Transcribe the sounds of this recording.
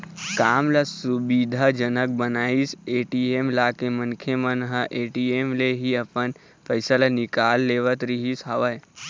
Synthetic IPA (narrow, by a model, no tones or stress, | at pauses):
kaːmlasubid̪ʱad͡ʒənək̚bənaːiseːʈiemlaːkemənkʰemənɦəʔeːʈiemleɦiəpən | pʰəjsəlanɪkaːlːeːʋət̪ɾiɦisɦaʋəj